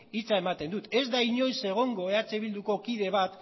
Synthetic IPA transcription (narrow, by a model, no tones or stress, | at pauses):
it͡sae̞mat̪e̞nd̪ut̪e̞zd̪aiɲo̞jse̞ɣ̞o̞ŋɡo̞e̞at͡se̞β̞ild̪uko̞kiðe̞βat̪